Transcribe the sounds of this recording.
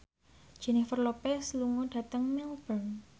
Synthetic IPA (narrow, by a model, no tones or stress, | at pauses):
d̥ʒ̥ɛ̤nɪhfərlopɛsluŋuɖ̥ä̤t̪əŋmɛlb̥ən